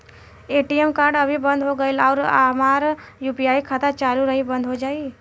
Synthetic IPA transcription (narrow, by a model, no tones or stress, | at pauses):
eːʈijemkaːɾɖɐbʱibə̃nd̪ʱɦoɡəelaːɾamaːɾjuːpijaːikʰat̪at͡ʃaːluɾɐɦibə̃nd̪ɦod͡ʒaːi